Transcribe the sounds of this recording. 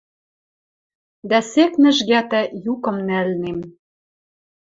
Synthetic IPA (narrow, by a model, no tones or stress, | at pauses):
d̪æseknɘ̆ʒɣæt̪æjukɤ̆mnælnem